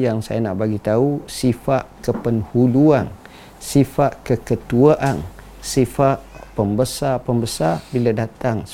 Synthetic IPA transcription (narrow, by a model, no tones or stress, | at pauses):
jaŋsa̰jana̰ʔbaɡit̪ausifaʔkəpənhuluan | sifaʔkəkət̪uaʔan | sifaʔpəmbəsapəmbəsarbiladat̪aŋ